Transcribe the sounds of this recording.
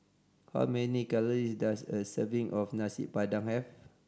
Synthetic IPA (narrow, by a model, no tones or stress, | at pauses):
ha̰wmɛnikaləɹisdasəsəvĩŋʔɔfnasḭpadãŋhɛf